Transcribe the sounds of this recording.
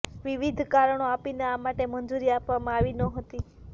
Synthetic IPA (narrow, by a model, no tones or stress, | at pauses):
ʋiʋid̪ʱkaɾəɳ̃oapineamaʈemənd͡ʒuɾiapʋamãaʋinəɦət̪i